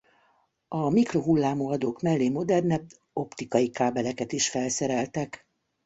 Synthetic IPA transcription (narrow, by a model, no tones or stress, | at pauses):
ɒmikro̞ɦulːaːmoːɒd̪oːkmɛlːeːmo̞d̪ɛrnɛ | o̞pt̪ikɒjikaːbɛlɛkɛt̪iʃfɛlsɛɾɛlt̪ɛk